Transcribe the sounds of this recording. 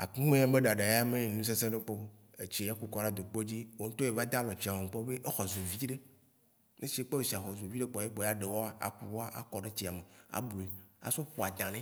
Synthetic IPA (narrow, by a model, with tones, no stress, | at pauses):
a˨ku˦mẽ˦ã˦be˦ɖa˨ɖã˨ja˦me˦˨nũ˦s̬e˦sẽ˦ɖe˦k͡po˦ | e˨t͡ɕi˦ja˦ku˦kɔ˦ɖa˦d̪o˨k͡po˦d͡ʑi˦wo˦ŋ̩˦t̪o˦e˨va˦d̪a˦lɔ˨t͡ɕi˨a˨wo˨ŋ̩˨k͡pɔ˦be˦ʔe˦xɔ˨zo˨vi˦ɖe˦ | nẽ˦si˦e˦k͡pɔ˦we˨si˨a˨xɔ˨zo˨vi˦ɖe˦k͡pɔ˨je˦k͡pɔ˨ja˦ɖe˨wɔ˦a˦a̰˨kṵ˦wo˦a˦ʔa̰˨kɔ˨ɖe˦t͡ɕi˦a˨me˨a̰˨bu˨e˨a̰˨so˦ɸo˨a˨d̪ã˨nẽ˦